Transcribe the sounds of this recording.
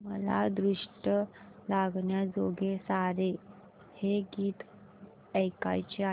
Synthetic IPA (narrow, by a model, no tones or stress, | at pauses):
məla̰d̪ɾiʂʈə | laɡɳjad͡zoɡesaɾe | heɡiːt̪ | əjka̰jt͡ɕea